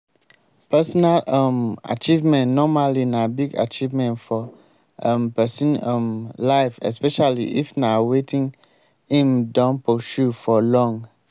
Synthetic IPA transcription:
pɛsɔnalama̰t͡ʃivmɛ̃nnɔmalinãbiɡa̰t͡ʃivmɛ̃ntfɔ | mpɛsĩnɛmlaɪfɛ̰spɛʃaliʔifnawetĩŋ | ĩmdɔ̃nposufɔlɔ̃ŋɡ

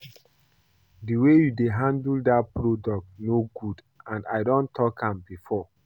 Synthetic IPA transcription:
diwejudeɦãndldapɹodɔk̚tnoɡud | ãndaɪdɔ̃ntʰɔkʰãmbifɔ

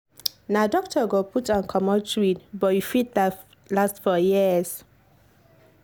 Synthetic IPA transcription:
nadɔk̚tʰɔɡoputɔ̃nkʰɔmɔtʰɹidbɔjufit̚da | lastfɔjiz̥

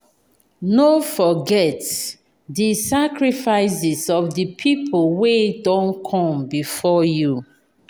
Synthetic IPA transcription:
nofɔɡɛt | disakɹifaɪs̬isɔfdəpʰipʰolwedɔ̃nkʰɔ̃mbifɔju

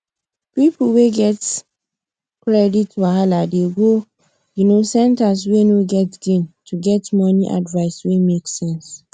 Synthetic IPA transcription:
pipuweɡɛt | kɹɛditwaɦaladeɡo | junosɛ̃ntas̬wenoɡɛtɡ̥ĩntʰuɡɛtmɔniʔa̰dvaɪswemeksɛ̃ns

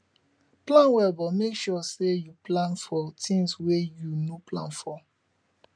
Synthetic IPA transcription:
plãnwɛbɔmekʃɔsejuplãnfɔtʰĩŋswejunoplã̰nfɔ

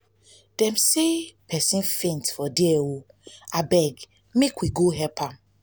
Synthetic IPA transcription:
d̥ɛ̃msepʰɛsĩnfẽntfɔdeɛwo | abɛɡ | mekwiɡoɦɛlpʰãm

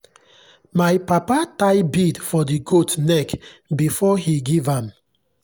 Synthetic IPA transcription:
majpapataɪbidfɔdiɡotnɛkbifɔhiɡivãm

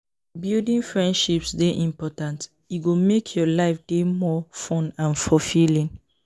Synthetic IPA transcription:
bildĩnfɹɛ̃ndʃipsdeʔĩmpɔtãnt | juɡomekʰjɔlaɪfd̥emɔfɔ̃nãnfɔfilĩn

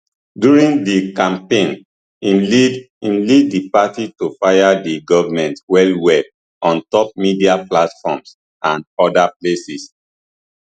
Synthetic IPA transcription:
djuɹĩŋdikãmpẽn | iid | ĩnlidːipatitofajadiɡɔvamɛ̃ntwɛlwɛl | ʔɔ̃ntɔp̚midiaplatfɔms | ãnɔdaplesis

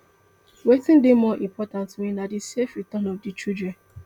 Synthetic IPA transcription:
wetɪ̃ndɪmɔʔimpɔtãntminadisefɾitɔnɔfdit͡ʃud͡ʒɛ

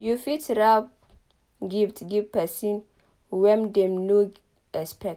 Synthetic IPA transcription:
jufitɾab | ɡiftɡipɛsin | wɛmdɛmnoɡ | ɛspɛk̚

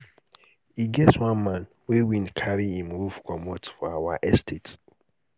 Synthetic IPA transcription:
hiɡɛtwãnmãn | wewĩnkʰaɹiĩmɹufkʰɔmotfɔawaʔɛstʰet

